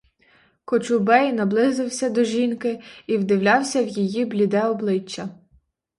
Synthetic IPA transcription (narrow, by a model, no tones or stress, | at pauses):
kɔt͡ʃʊbɛjnɐblˠɪzɪwsʲɐd̪ɔʒʲinkɪiwd̪ɪwlʲɑwsʲɐwjijiblʲid̪ɛɔblˠɪt͡ʃːɐ